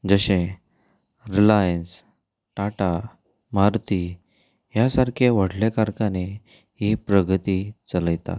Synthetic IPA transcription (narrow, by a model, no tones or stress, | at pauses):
d͡zəɕẽ | ɾilajəns | ʈaʈa | maɾt̪i | ɦjasaɾkʰeʋəɽlekaɾkane | ɦipɾəɡʱt̪it͡sələjt̪a̰t̪̚